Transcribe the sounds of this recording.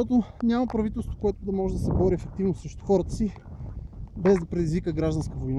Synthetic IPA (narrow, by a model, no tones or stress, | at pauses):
ɔt̪onʲaməpɾɐvit̪ɛlˠst̪vokoɛt̪ʊd̪ɐmɔʒɛd̪ɐsɛbɔɾiɛfɛk̚t̪ivnosɾɛʃt̪ʊxɔɾət̪ə̥si | bɛzd̪ɐpɾɛd̪izvikəɡɾaʒd̪ɐnskəvojn